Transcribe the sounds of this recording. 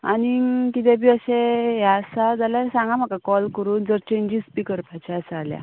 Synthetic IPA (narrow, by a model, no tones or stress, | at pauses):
a̰nikit̪̬ebiəɕeɦjaəsad͡zalasãŋɡãm̤akakɔlkəɾuːnd͡zəɾt͡ɕẽɲd͡ʑispikəɾpat͡ɕasaːlja̰